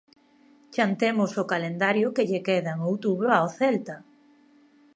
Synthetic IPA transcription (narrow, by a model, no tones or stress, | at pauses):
t͡ʃant̪emʊsokalend̪aɾjʊkeʎekeðaeŋowt̪uβɾoaoθɛlt̪a